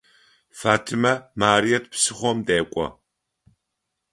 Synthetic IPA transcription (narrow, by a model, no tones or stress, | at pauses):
faːtʰimɐmaːɾijɐt̚psɨχʷɔmdeːkʷʼɔ̰